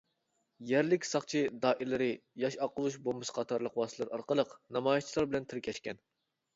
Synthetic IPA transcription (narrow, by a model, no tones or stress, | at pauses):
jɛɾlɪkʲsɑχt͡ʃʰid̪ɑːʔilɪɾɪjɑʃɑqəlˠuʃbolˠmɨsɨ̥qʰɑt̪ʰɑɾlˠəqwɑːsɨlˠɨɾɑɾqəlˠəqnɑmɑːjʃt͡ʃʰilˠɑɾbɪlɛnt̪ʰɪɾkʲʰɛʃkʲɛn